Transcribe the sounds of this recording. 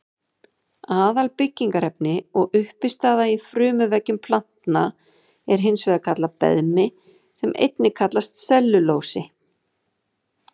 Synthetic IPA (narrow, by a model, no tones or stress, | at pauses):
aːðalpɪcːiŋkaɾɛpnɪɔɣʏhpɪst̪aːðaifɾʏːmʏvɛcːʏmpʰlan̥t̪na | ɛɾ̥ɦɪnsvɛːðakʰat̪lapɛ̰ðmɪ | sɛmʔḛjt̪nɪkʰat̪last̪sɛlːʏloːwsɪ